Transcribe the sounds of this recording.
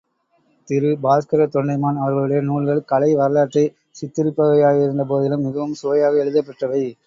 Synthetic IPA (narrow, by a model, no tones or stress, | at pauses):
t̪ɪɾɯbaːskɐɾɐt̪ɔɳɖɐɪmaːnɐʋɐɾɣɐɭɯɽɐjɐnuːɭɣɐɭkɐlɐɪʋɐɾɐlaːʈrɐɪ | sɪt̪ːɪɾɯpːɐɣɐjaːɣɪɾɯnd̪ɐp̬oːðɪlɯmɪɣɐʋɐmsoːɐjaːɣɐɛɻɯðɐpːɐʈrɐʋɐɪ